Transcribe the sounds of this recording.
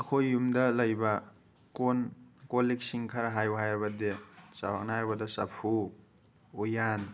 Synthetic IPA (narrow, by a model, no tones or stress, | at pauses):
ɐkʰojːumdaləjba | konkoliksiŋkʰaɾaɦajuɦajaɾbadesawa̰k̚najaɾbadasa̰pʰuː | jan